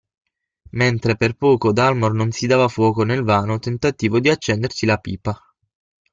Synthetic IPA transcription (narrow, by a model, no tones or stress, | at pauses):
ment̪ɾeperpɔːkod̪almornonsid̪aːvafwɔːkonelvaːnot̪ent̪at̪iːvod̪iat͡ʃːɛnd̪ersilapiːpa